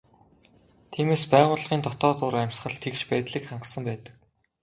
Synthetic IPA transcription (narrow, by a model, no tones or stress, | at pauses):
t̪ʰiːmeːspæːʁʊːɮʁiːnt̪ʰɔt̪ɔːt̪ʊːɾæmʲsχə̆ɮt̪ʰekt͡ɕpæːt̪ɮiːkχaɴɢə̆sə̆mpæːt̪ə̥̆k̚